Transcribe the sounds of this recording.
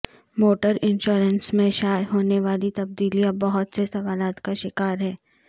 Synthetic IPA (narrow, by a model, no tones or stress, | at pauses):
moːʈəɾɪ̃nʃoːɾənsmẽʃaːjɦoːneʋaːlit̪ɐb̚d̪iːlijabɐɦʊt̪sesɐʋaːlaːt̪kaʃɪkaːɾɦɛː